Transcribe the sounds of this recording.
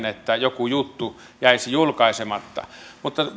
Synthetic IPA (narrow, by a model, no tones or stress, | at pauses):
net̪ːæjokujut̪ːu | jæˑisijulkɑesemɑt̪ːɑ̰mut̪ːɑ